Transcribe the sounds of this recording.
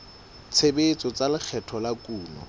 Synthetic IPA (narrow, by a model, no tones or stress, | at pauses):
t͡sʰebet͡sɔt͡salɪk͡xʰɛtʰɔlakʼuːnɔ̰